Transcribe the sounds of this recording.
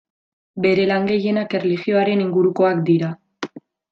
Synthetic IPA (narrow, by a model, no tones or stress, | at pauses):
be̞ɾe̞laŋɡe̞je̞nake̞relixio̞aɾe̞niŋɡuɾuko̞akd̪iɾa